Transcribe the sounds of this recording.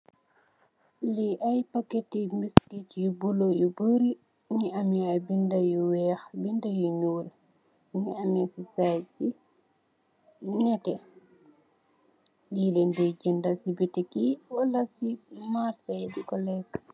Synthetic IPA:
liʔajpaketːimiskitjubulojubəɾi | ɲiamiajbindajuwɛːxbindajuɲuːl | ɲiamisisajd͡ʒi | ɲɛtɛ | lilɛndɛɟɛndasibitɛkiwalasimaɾsajdikɔlɛk

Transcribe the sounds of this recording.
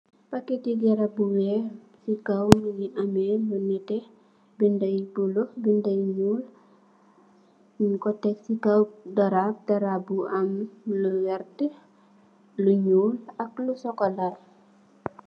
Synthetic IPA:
pakːɛkiɡɛɾabuwɛ | sikawnjiʔamɛbunitɛ | bindɐjbuluhbindɐjɲuːl | kɔtːɛksikawdɐɾap̚dɐɾabuʔɐmluwɛrtɛ | luɲuːlɐklusɔkɔlar

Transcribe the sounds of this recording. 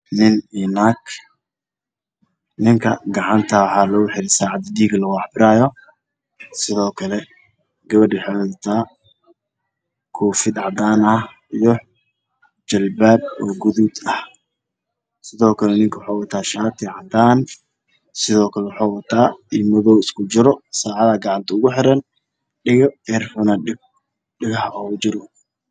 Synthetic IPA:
nɪniːnak | nɪŋkʰɐɡɐʕɑnt̪ʰɐħaːlɔːɣʊħɪɾɪsaːʕɑd̪ɪd̪iːɡɐlɐɣʊɑħbɪɾaːjɔ | sɪðɔːkʰɐlɛ | ɡɐβɐɖɪħɔt̪ʰaː | kʰɔːfɪd̪ʕɑd̪aːnɐh | ijɔ | d͡ʒɐlbaːb̚ɔːɡʊðud̪ɐh | sɪðɔːkʰɐlɛnɪŋkʰɐwʊħaːwɐt̪ʰaːʃaːt̪ʰɪʕɑd̪aːn | sɪðɔːkʰɐlɛwħaːwɐt̪ʰaːimɔðɔwɪskʰʊt͡ʃɪɾɔsaːʕɑðaːɡɑʕɑnt̪ʰɐʊɣʊħɪɾɐn | ɖɪɣɛrfɔnɐɪ | ɖɪɣɐħʔɔd͡ʒɪɾɔ

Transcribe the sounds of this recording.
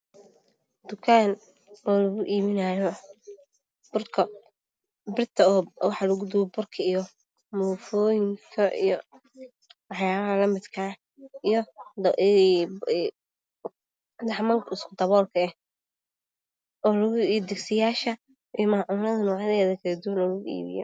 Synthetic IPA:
d̪̥ʊkʰaːn | waːlɐɣʊʔiːβɪnaːjɔ | b̥ʊrkʰɐ | bɪrt̪ʰɐɔːwɑħɑlɐɣʊd̪ʊwɔbʊrkʰɐijɔ | mʊfɔːjɪŋkʰɐʔḭjɔ | wɑħjaːβɐhɐlɐmɪd̪kʰa | ijɔ | d̪ɑħmɐŋkʰɐɪskʰʊd̪ɐβɔːlkʰɐɛh | ɔːlɐɣʊʔiːd̪ɛɡsɪjaːʃɐ | ʔijmɐʕʊnɐðɐnɔːʕɐðɛːðɐkʰɐɾɛd̪uwɐnlɔɣʊɣʊḭːβɪ̰jɔ̰

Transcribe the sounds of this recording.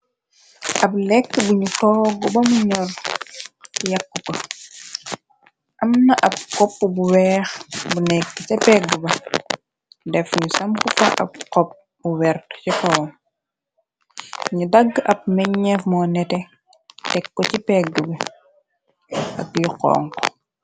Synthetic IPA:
ʔɐplɛkːbuɲutɔːɡɔbɐmuɲɔl | ijɐkːukɐ | ʔɐmnɐʔɐp̚kɔpːbuwɛːxbunɛkːət͡ʃɐpɛɡəbɐ | dɛfɲusɐmkufɐʔɐ̰p̚kɔp̚ | buwɛrtcitɔwm | ɲudɐɡːʔɐp̚mɛɲːɛfmɔːnɛtɛ | tɛkːɔcipɛɡːəbɐ | ɐk̚juqɔ̰ːŋkɔ

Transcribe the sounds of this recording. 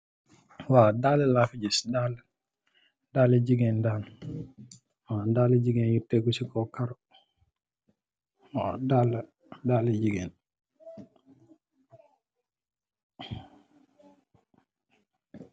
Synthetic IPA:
wadalɛlafid͡ʒisdal | daləd͡ʒiɡɛndan | wadaləd͡ʒiɡɛnjitɛɡusikɔkaɾɔ | wa̰dalə | daləd͡ʒiɡɛn

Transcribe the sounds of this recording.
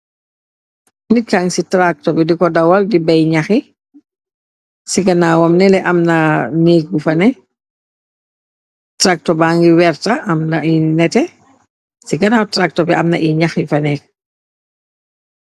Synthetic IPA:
nikaŋsitɾak̚tɔbɛdikɔdɐwɐldibɐjɲaxi | siɡɐnaːwɔmnɛlɛʔɐmnɐneːk̚ɡufɐnɛ | tɾak̚tɔbaːŋɡiwɛɾtɐɐmnɐinɛtɛ | siɡɐnaːwtɾak̚tɔbɛʔɐmnɐʔiɲaxifɐnɛːk̚

